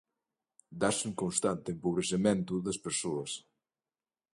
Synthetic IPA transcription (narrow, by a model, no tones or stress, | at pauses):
d̪asuŋkonst̪ant̪eempuβɾesemɛ̃nt̪uðɐspeɾsoɐs